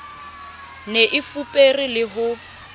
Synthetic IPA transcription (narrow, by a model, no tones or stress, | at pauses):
neʔɪfupʼerilɪɦʊ